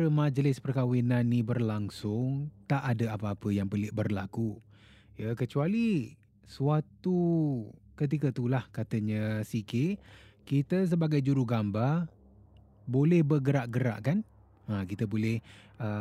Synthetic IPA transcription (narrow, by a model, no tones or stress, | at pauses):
ɾəmad͡ʒəlɪspərkawinanːibərlaŋsʊŋt̪aʔadəapəapəjaŋpəlɪʔbərlaku | jəkət͡ʃuali | suat̪u | kət̪̬ikət̪ulahkat̪əɲə̃sikekit̪əs̬əbaɡajd͡ʒuɾuɡambar | bolɛhbərɡəɾaʔɡəɾa̰ʔkan | akit̪əbolɛhə